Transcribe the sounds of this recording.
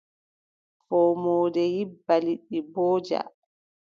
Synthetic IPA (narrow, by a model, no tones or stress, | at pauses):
fɔːmɔːdɛjibːaliɗːibɔːd͡ʒa̰